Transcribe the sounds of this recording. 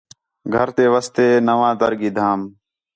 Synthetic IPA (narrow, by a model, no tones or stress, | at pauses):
ɡʱəɾt̪eːʋəst̪eːnəʋãːd̪əɾɡiːd̪ʱaːm